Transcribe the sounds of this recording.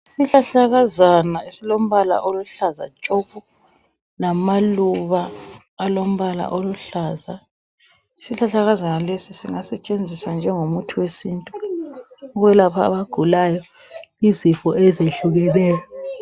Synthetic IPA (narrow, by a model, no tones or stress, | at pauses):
isiɬaɬaɣazanaesilom̩βala̰ʔoluɬaza̰t͡ʃʼopʰu | namaluβaː | lom̩βala̰ʔoluɬaːza | isiɬaɬaɣazanalesisiŋasɛt͡ʃʼend͡zʱiswand͡ʒʱɛŋomutʰuwesiːntʼu | ɣwɛlapʰa̰ːβaɡ̥ʱulajɔ | izifɔɛzeɬuɣɛlɛːjɔ